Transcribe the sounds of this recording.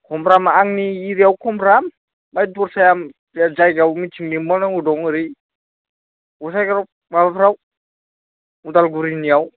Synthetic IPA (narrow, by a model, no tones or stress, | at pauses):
kʰɔmɾamaaŋniːɾiawkʰɔmɾam | bajdɔɾsajam | ad͡ʒajɡawmit͡ʃʰiŋnimbɔnaŋudɔŋɯɾi | ɡɔsajɡaɾɔ | mabapʰɾaw | udalɡuɾiniaw